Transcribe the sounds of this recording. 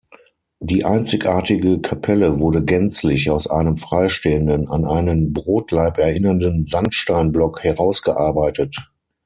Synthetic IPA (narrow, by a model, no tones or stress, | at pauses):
diːʔaɪnt͡sɪçʔaːɐtɪɡəkʰapʰɛləvʊɐdəɡɛnt͡slɪçaʊsʔa̰ɪnəmfʁ̥aɪʃteːəndəna̰nʔaɪnənbʁoːtʰlaɪpɛɐʔɪnɐndənzanʃtaɪnblɔkhɛʁaʊsɡ̥əʔaɐbaɪtʰət